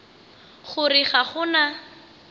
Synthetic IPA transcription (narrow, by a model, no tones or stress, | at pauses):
χʊriχaχʊna